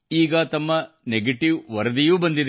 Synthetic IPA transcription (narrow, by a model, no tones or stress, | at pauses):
iːɡɐt̪ɐmːɐ | neɡeʈiʋʋɐɾɐd̪ijuːbɐnd̪id̪e